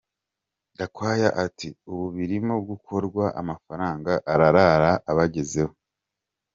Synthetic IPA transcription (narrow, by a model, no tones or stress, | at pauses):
ndakwaːjaʔatʰiuβuβiɾimob̚ɡukʰo̞ɾɡwaʔa̰mafaɾaːŋɡaʔaɾaɾaɾaʔaβaɟe̞ze̞ho